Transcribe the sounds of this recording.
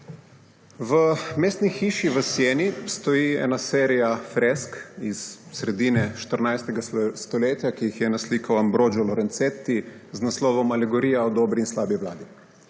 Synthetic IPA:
ʋəmeːst̪nixiːʃiʋəsjeːnist̪ɔjiɛ̰ːnaseːɾijafɾɛskisːɾɛd̪inɛʃt̪əɾnajst̪ɛɡast̪ɔleːt̪jakijixjɛnaslikɐwambɾoːd͡ʒɔlɔɾɛnt̪set̪ːiznaslɔːʋɔmalɛɡɔɾiːjaɔd̪ɔːbɾiinslaːbiʋla̰ːd̪i

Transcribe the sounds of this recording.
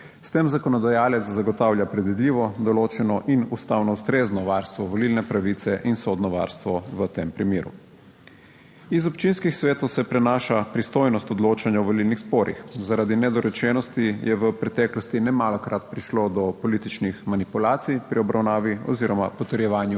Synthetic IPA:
st̪emzakɔnɔd̪ajaːlɛt̪szaɡɔt̪awljapɾɛd̪ʋid̪lʲiːʋɔd̪ɔloːt͡ʃɛnɔʔinust̪awnɔust̪ɾeːznɔʋaɾst̪ʋɔʋɔlilnɛpɾaʋit̪sɛʔinsod̪nɔʋa̰ɾst̪ʋɔʋət̪empɾimeːɾṵ | izɔpt͡ʃinskixsʋeːt̪owsɛpɾɛnaːʃapɾist̪oːjnɔst̪ɔd̪loːt͡ʃanjaɔʋɔlilnixspoːɾḭxzaɾad̪inɛd̪ɔɾɛt͡ʃɛnɔst̪ijɛʋəpɾɛt̪ɛːklɔst̪inɛmalɔkɾat̪pɾiʃlod̪ɔpɔlit̪it͡ʃnixmanipulaːt̪sijpɾiɔbɾawnaːʋiɔ̰ziːɾɔmapɔt̪əɾjɛʋaːnju

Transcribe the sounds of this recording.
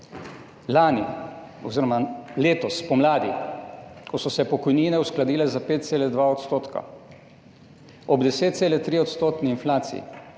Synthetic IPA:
laːni | ɔ̰ziːɾɔmaleːt̪ɔspɔmlaːd̪ḭ | kɔsɔsɛpɔkɔjniːnɛusklad̪iːlɛzapeːt̪̚seːlɛd̪ʋaɔt̪st̪oːt̪ka̰ | ɔbd̪ɛseːt̪̚t̪seːlɛt̪ɾiːɔt̪st̪oːt̪niinflaːt̪sḭḭ

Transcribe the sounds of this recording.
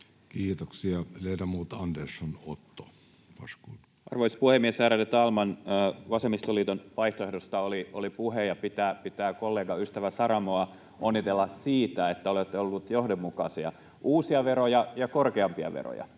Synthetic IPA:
kiːt̪oksiɑleitæmuːt̪ɑndersonot̪ːo | pɑskuːn | ʔɑ̰rʋoispuhemːiesæːɾælːet̪ɑlmɑnːʋɑsemist̪oliːt̪onʋɑiht̪oehdost̪ɑolio̰lipuhejɑpit̪æːpit̪æːkolːeːɡɑyst̪æʋæsɑɾɑmoɑ | ʔonːit̪elːɑssiːt̪æet̪ːæolet̪ːeolːut̪johdommukɑsiɑ̰ | ʔuːsiɑʋeɾojɑjɑkorkeɑmpiɑ̰ʋḛɾo̰jɑ̰

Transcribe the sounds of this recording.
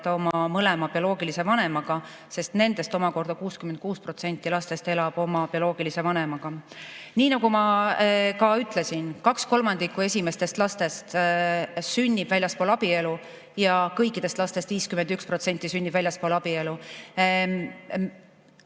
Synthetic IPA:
t̪ɑo̞mɑmɤle̞mɑb̥io̞lo̞ːɡ̥ilise̞vɑne̞mɑɡ̥ɑ | se̞st̪ne̞nd̪e̞st̪o̞mɑko̞rd̪̥ɑkuːskymen̚kuːspro̞t̪se̞nʲt̪ˑːilɑst̪e̞st̪e̞lɑb̥o̞mɑpio̞lo̞ːɡ̥ilise̞vɑne̞mɑɡ̥ɑniːnɑɡ̥umɑ | kɑyt̪ˑle̞sinkɑksko̞lmɑnd̪̥ikːˑue̞sʲime̞st̪e̞st̪lɑst̪e̞st̪ | synʲːib̥vælʲjɑspoːlɑb̥ie̞lu | jɑkɤjkːˑid̪̥e̞st̪lɑst̪est̪viːskymend̪̥ykspro̞t̪se̞nʲt̪ːˑisynːib̥vælʲjɑspolɑb̥ie̞lu

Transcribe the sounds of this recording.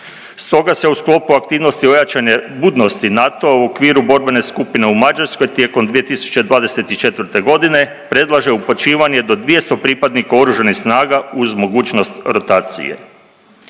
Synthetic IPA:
st̪o̞ɡase̞usklˠo̞puakt̪iːʋno̞st̪io̞jat͡ʃaɲebuːd̪no̞st̪inat̪oauo̞kʋiːɾubo̞ɾbe̞ne̞skupine̞umad͡ʒaɾsko̞jt̪jekomd̪ʋije̞t̪isu̥t͡ʃed̪ʋaːd̪e̞se̞t̪it͡ʃe̞t̪ʋəɾt̪e̞ɡo̞d̪ine̞ | pɾe̞d̪lˠaʒe̞upot͡ʃiːʋaɲe̞d̪o̞d̪ʋije̞st̪o̞pɾipad̪nikao̞ɾuʒanixsnaːɡauzmo̞ɡuːt͡ʃno̞st̪ɾo̞t̪aːt̪sḭjḛ

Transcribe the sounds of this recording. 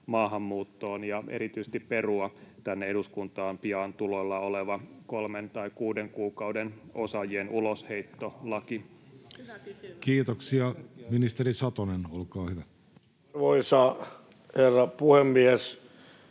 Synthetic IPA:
mɑːɦɑmːuːt̪ːo̞ːnjɑʔḛɾit̪yjse̥t̪ippe̞ruɑt̪ænːeeduskunt̪ɑːmpiɑnt̪ulolːɑoleʋɑkolment̪ɑikuːdeŋkuːkɑwdenʔo̞sɑjienʔuloshe̞it̪ːo̞lɑki | kiːt̪oksiɑminist̪eɾisɑt̪onenolkɑːhyʋæ | ʋoisɑ | herːɑpuhemːies

